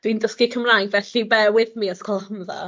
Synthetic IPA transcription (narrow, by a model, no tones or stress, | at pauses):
d̥windəskikʰəmrajŋɡvɛɬibɛwɪðmiaskʰɔlˠhəmða̰